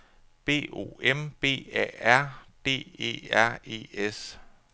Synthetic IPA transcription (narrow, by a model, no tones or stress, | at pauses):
b̥e̝̰ːo̝̰emb̥e̝̰ːɛ̰æɐ̰b̥e̝̰ːe̝̰ːæɐ̰e̝̰ːes